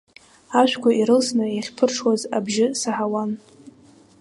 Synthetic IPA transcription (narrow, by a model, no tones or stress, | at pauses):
aʃᶣʷkʷaʔiɾɨlsnaaχʲpʰɨrʈ͡ʂʰwazabʒɪsaħawan